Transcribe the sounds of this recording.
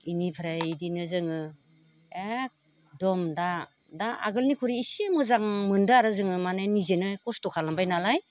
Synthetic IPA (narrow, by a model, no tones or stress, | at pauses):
inipʰɾaidinɯzɯŋɯ | ek̚ | dɔmda | daa̰ɡɯlnikʰuɾiːsemɯzaŋmɯndɯaɾɯzɯŋɯmanajnizenɯkɔstɔkʰalambajnalaj